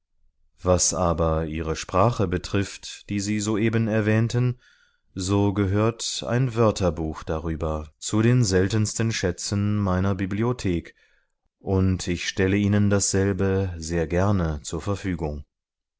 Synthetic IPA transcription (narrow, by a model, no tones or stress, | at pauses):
vasʔaːbɐiːʁəʃpʁ̥aːχəbətʁ̥ɪftd̥iːziːzoːʔeːbənɛɐvɛːntən | zoːɡəɦøːɐta̰ɪnvœɐtʰɐbuːxd̥aʁyːbɐt͡suɾeːnzɛltənstənʃɛt͡sənmaɪnɐbibliotʰeːk | ʔʊntʰɪçʃtɛləiːnəndasz̥ɛlbəzeːɐɡɛɐnət͡suːɐfɛɐfyːɡʊŋ